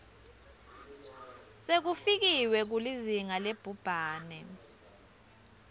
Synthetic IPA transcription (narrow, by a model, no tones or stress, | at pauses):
sek̬ufik̬iwɛk̬uliziŋaleb̥ʱub̥ʱaːnɛ